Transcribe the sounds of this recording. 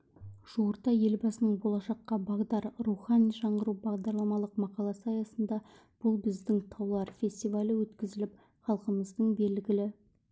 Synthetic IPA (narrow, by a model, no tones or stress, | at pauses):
ʒ̥uɾt̪ɑje̞lbɑsənəɴbo̞lˠɑʃɑqːɑbɑʁd̪ɑɾɾuχɑnijʒɑɴʁəɾubɑʁd̪ɑɾlˠɑmɑlˠəqmɑqɑlˠɑsəɑjɑsənd̪ɑ | b̥ʊlˠbɪzd̪ɪŋt̪ʰɑwlˠɑɾfʲe̞st̪ijvalʲəwɵt̪kʲɪzɪlɪp | χɑlˠqəməzd̪əɴbe̞lɡʲɪlɪ